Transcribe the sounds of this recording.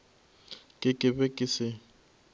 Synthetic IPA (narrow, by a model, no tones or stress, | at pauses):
kʼɪkʼɪbɛkʼɪsɪ